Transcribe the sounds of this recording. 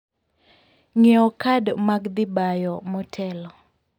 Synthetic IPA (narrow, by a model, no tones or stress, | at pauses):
ŋɛɔkadmaɡd̪ɪbajɔmɔtʰɛlɔ